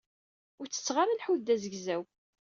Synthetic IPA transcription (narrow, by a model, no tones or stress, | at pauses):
ʊɾt͡sːə̥t͡sːʁaɾalħuðd̪æzəɡzæw